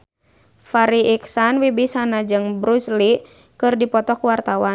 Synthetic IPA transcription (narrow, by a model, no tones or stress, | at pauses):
faɾiʔiksanwibisanad͡ʒɨŋbɾusli | kɨrdipɔt̪ɔkuwart̪awan